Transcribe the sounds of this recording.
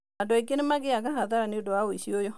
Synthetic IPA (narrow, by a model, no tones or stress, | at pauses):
adɔek̬enemaɡeakaɦaðaɾaneodowaoisiojɔ